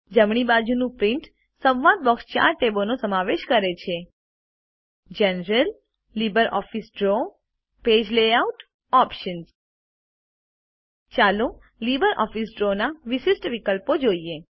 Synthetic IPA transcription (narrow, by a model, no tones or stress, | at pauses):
d͡ʒəmɳ̃ibad͡ʒunũpɾiɳʈ | sə̃ʋʋad̪̚bɔkst͡ʃa̰ɾʈebonosəmaʋeʃkəɾet͡ʃʰe | d͡ʒənɾəlː | ibəɾʔɔ̰fisɖɾo | ped͡ʒleauʈ | ɔpʃəns | t͡ʃalo | libəɾʔɔ̰fisɖɾonaʋiʃisʈʋikəlpod͡ʒoie